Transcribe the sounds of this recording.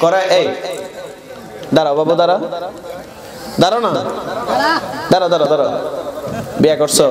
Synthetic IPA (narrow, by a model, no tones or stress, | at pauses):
kɔɾaʔej | d̪aɾabʱabɔd̪aɾa | d̪aɾɔna | d̪aɾɔd̪aɾɔd̪aɾɔ | biaɡɔɾsɔ